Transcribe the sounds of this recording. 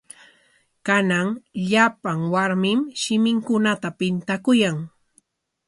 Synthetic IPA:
kanaŋʎapaŋwaɾmɪmʃɪmɪŋkʊnat̪apɪnt̪akʊjaŋ

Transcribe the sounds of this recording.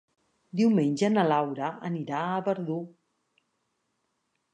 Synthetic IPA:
d̪iwmenʲʒənəlawɾəə̰niɾaəβəɾðu

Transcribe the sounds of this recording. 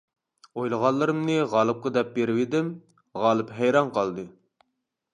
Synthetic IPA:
ojlˠəʁɑnlˠːɨɾɨmnɨʁɑːlˠɨp̚qəd̪ɛp̚beɾɪwɪd̪ɪm | ʁɑːlˠɨpɦɛjɾɑnqʰɑlˠd̪ɨ

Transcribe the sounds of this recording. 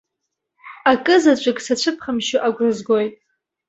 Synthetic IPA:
akʼɨzat͡ʃʷʼɨksat͡ɕʷʰɨpʰχəmʃuʔaɡʷrɨzɡojtʼ

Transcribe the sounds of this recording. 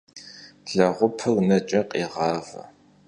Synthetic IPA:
ɮ̥ɐʁʷʊpʰɨɣnɐt͡ʃʼɐqʼeːʁɑːvɐ̰

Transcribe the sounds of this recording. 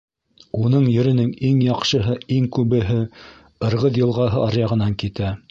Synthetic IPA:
un̪ɤɴjɵ̆ɾɘ̆nɘŋiŋjɑqʃɤ̆ɦɤiŋkʉβɘ̆ɦɘ | ɤ̆ɾʁɤðjɤ̆lˠʁɑɦɤʔɑɾjɑʁɤ̆nɑŋkit̪æ

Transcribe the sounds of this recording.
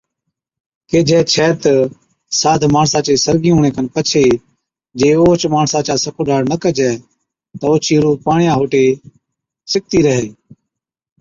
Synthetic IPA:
keːd͡ʒʱɛːt͡ʃʰɛːt̪ə | saːd̪ʱmaːɳsaːt͡ʃeːsəɾɡiːɦũːɳẽːkənpət͡ʃʰeː | d͡ʒeːoːt͡ʃmaːɳsaːt͡ʃaːsəkʰoːɖaːɽnəkəd͡ʒɛː | t̪əoːt͡ʃiːɾuːpaːɳɪjãːɦoːʈeː | sɪk̚t̪iːɾəɦeː

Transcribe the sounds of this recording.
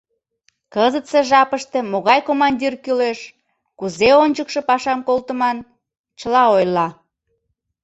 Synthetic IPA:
kəzət̪seʒɑpəʃt̪e̽moɣɑjkomɑnʲdʲirkyleʃ | kuzeonʲt͡ɕəkʃĕpɑʃɑmkolt̪əmɑn | t͡ɕəlɑojlɑ

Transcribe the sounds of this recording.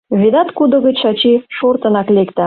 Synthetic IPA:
βid̪ɑt̪kud̪ŏɣə̆t͡ɕʃɑt͡ɕiʃort̪ə̆nɑklekt̪ɑ

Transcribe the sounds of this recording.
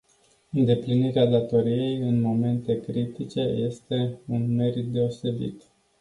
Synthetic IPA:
ɨnd̪e̞pliniɾead̪at̪o̞ɾije̞jɨnmo̞me̞nt̪e̞kɾit̪it͡ʃe̞je̞st̪e̞unme̞ɾit̪̚d̪e̞o̞se̞bḭt̪

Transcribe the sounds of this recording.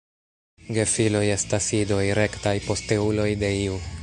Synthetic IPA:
ɡe̞filo̞je̞stasido̞jɾe̞ktajpo̞ste̞ulo̞jde̞iu

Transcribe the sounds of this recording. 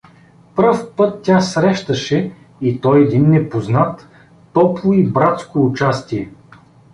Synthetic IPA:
pɾfpɤt̪ːʲasɾɛʃt̪əʃɛ | it̪ɔjɛd̪inːɛpoznat̪ː | ɔplˠʊibɾat̪skoːt͡ʃast̪iɛ

